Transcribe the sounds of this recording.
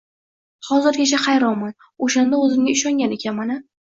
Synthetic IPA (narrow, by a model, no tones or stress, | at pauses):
hɒzɪɾkʲʰet͡ʃʰaχɑjɾɒwman | oʃand̪aɵzɪmɡʲaɪʃɒŋɡʲanekʲʰanmanɪ